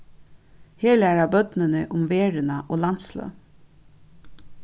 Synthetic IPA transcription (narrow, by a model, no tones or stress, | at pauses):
heːlæɹabœt̪nɪnɪʔʊmveːɹɪnaʔoːlant̪slœ̰ː